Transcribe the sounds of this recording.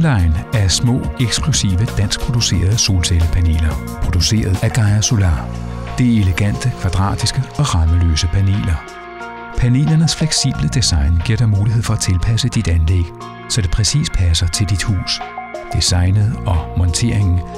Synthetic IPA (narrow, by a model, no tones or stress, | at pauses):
lɑ̈ɪnæɐsmɔ̰̽ːeɡ̥sɡ̥lusḭːʋəd̥æn̰sɡ̥̚pʰʁo̝d̥use̝̰ːɐð̞ˠso̝ːlseləpʰæne̝̰ːlɐ | pʰʁo̝d̥use̝̰ːɐð̞̩ˠæɡ̥ɑ̈ɪso̝lɑ̈ːd̥e̝æe̝leɡ̥æn̰d̥əkʰʋæd̥ʁɑ̰̈ːd̥isɡ̥əɒ̽ʁɑ̈məlø̰ːsəpʰæne̝̰ːlɐ | pʰæne̝̰ːlɐnəsfleɡ̥sḭːb̥ləd̥esɑ̈ɪnɡ̥iɐ̰̥ɑmuːliɦe̝ð̰ˠfɒ̽æt͡sʰe̝lpʰæsəd̥id̥ænleɡ̥ | sɒ̽d̥e̝pʰʁɛsḭːs̚pʰæsɐt͡sʰe̝ld̥id̥hṵːsd̥isɑ̈ɪnəð̩ˠɒ̽mɒ̽nt͡sʰe̝ɐ̰eŋn̩